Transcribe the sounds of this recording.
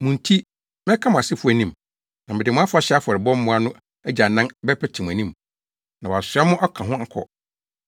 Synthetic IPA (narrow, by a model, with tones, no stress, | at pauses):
mʊ̃˨n̩˦tʰi˦ | mɛ̃˦kʰa˦mʊ̃˨a˨sɪ˦fʊ˦æ˨nĩ˨m | nã˨mɪ̃˨dɪ˨mʊ̃˦a˦fʊ˦a˨ɕɛ˦a˦fɔ˨ɾɪ˨bɔ̃˦m̩˦mʊ̃˦a˦nʊ̃˦ | æ˦d͡ʑa˨nã˦nbɛ˦pʰɛ˦tʰi˨m̃˨æ̃˨nĩ˦m | nã˨wa˨sʊ˨a˦mʊ̃˦ʔɔ˦kʰã˨ɦʊ̃˦kʰɔ̰˦˨